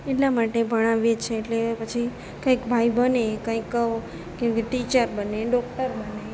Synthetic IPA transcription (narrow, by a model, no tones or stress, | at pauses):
eʈlamaʈebʱəɽ̃aʋjet͡ʃʰeːʈlepət͡ʃʰi | kə̃jkbʱaibənekə̃ikːəo | keʈit͡ʃəɾbəneɖɔk̚ʈəɾbəne